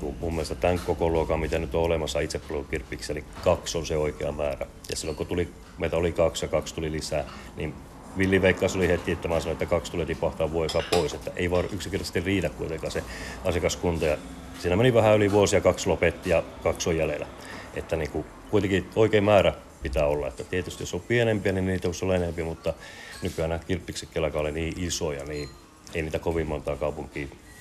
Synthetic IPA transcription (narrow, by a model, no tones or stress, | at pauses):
kumumːielest̪æt̪æŋkkːokoluokɑmit̪ænyt̪oolemɑsːɑit̪seppolokukirpːˑiksɑelikɑksonseoikeɑmæːræ̰ | jɑ̰silːoŋkot̪uli | meit̪æolikɑksjɑkɑkst̪ulilisæː | nin | ʋilːiʋeikːɑˑsolihet̪kiet̪ːæmæsɑnoet̪ːækɑkst̪ulet̪ipɑht̪ɑːʋʋuojɑsɑpoiset̪ːæʔḛiʋɑːnʔyksiŋkert̪ɑst̪irriːtækkuit̪eŋkɑːseɑsjɑkɑskunt̪ɑjɑ | siːnæmeniʋæhæyliʋuosiɑkɑkslopet̪ːijɑkɑksojjælḛlæ̰ | ḛt̪ːæniːŋku | kuit̪ekioikeimmæːræ | pit̪æːolːɑet̪ːæt̪iet̪yst̪ijosompienempiæninnniːt̪æjosolːɑenempiæmut̪ːɑnykyænækirpːiksekːelækæoliniːʔisojɑ̰niː | einiːt̪ækoʋimmont̪ɑːkɑupuŋkˑiː